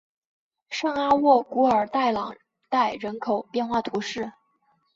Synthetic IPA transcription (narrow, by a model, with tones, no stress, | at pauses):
ʂɑ˥˧ŋa˥wɔ˥˩ku˧˥ə˞˨˩t̪a˥˩ɪlɑ˨˩ŋ | t̪a˥˩ɪɻə˧˥nkʰo˨˩ʊpjɛ˥˧nxwa˥˩t̪ʰu˧˥ʂɻ̩˥˩